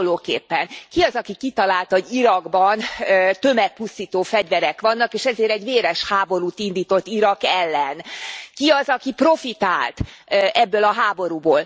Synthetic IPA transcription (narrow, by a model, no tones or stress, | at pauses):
loːkeːpːɛnkiɒzɒkikit̪ɒlaːlt̪ɒoɟiɾɒɡbɒnøt̪ø̞mɛt̪̚pust̪iːt̪oːfɛɟʋɛɾɛkʋɒnːɒkeːʃɛzeːɾɛɟʋeːɾɛʃhaːbo̞ɾuːt̪ind̪iːt̪o̞t̪ːiɾɒkɛlːɛnkiɒzɒkipro̞fit̪aːlt̪ʔɛbːølɒɦaːbo̞ɾuːboːl